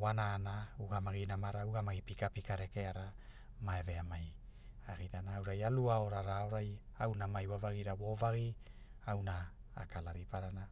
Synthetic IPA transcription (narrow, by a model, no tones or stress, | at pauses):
wanaːnauɡamaɡinamaɾauɡamaɡipikapikaɾekeaɾa | maeve̞amajaɡiɾanaːwɾajaluaoɾaɾaoɾajawnamajwavaɡiɾawo̞vaɡiawna̰ːkalaɾipaɾana